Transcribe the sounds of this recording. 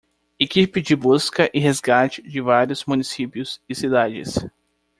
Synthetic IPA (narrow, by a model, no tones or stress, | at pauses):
ekipɪd͡ʒɪbuskɐʔɪɦezɡat͡ʃɪ̥d͡ʒɪvaɾjʊzmũnisipjʊzɪsid̪ad͡ʒɪ̰s